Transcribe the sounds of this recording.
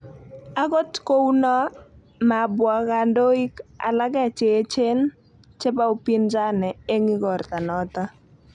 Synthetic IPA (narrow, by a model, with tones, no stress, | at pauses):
a˦ɡo˦tko˦wnɔ˦ | ma˨bwa˨ka˨ndo˦i˦ka̰˨la˦ɡɛ˦˨t͡ʃe˨˦t͡ʃe˦n | t͡ʃɛ˦ba˦o˦pi˦nd͡ʒa˦nɛ˨e˦ŋi˦ɡɔ˨rt̪a˨nɔ˦t̪a˦